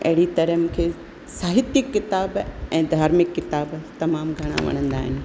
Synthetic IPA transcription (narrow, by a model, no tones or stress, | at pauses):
ɐ̰ɦɪɽit̪ɐɾəmũːkʰe | saːɦɪt̪jɪkːɪt̪aːbɛ̃ːd̪ʱaːɾmɪkːɪt̪aːbt̪ɐmaːmɡʱɐɽ̃a̰ʋɐ̰ɽ̃ə̃nd̪aːɦɪnɪ̆